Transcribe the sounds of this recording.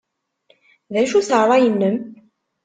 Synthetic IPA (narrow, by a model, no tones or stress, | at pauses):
ðæʃuθəɾˤɑjənːəm